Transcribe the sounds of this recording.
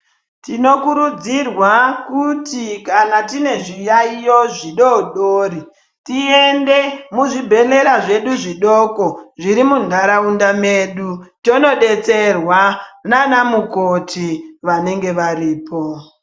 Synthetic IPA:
tino̞kuɾud͡zirwakutikanatine̞ʐijaijo̞ʐiɗoɗoːɾi | tiende̞muʐibʱe̞le̞ɾaʐe̞ɗuʐiɗokoʐiɾimundʱaɾaundameːɗuto̞no̞ɗe̞t͡se̞rwananamukotiʋane̞ŋɡe̞ʋaɾiːpʰo̞

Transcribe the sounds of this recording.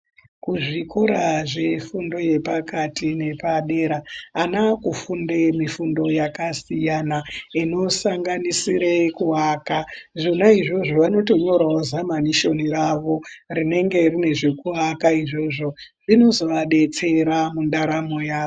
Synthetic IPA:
kuʐikoɾaʐe̞fundo̞je̞pakatine̞paɗeɾaːnakufundemifundo̞jakasijanaino̞saŋɡanisiɾekuɦaːkaʐonaiʐo̞ʐoʋano̞to̞ɲo̞ɾaozamaniʃo̞niraʋo̞rine̞ŋɡe̞rine̞ʐe̞kuɦakaiʐo̞ʐo̞ʐino̞zo̞ʋaɗe̞t͡se̞ɾamundaɾamo̞jaːo

